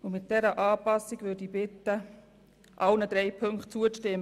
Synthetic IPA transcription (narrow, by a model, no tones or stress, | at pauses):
ʊmɪt̪̚d̥ɛɾəʔɑːpɑsːiɡʋʏdibɪt̪ːə | ʔɑwnəd̥̪ɾɛɪpʰɵŋktt͡suəʃtɪm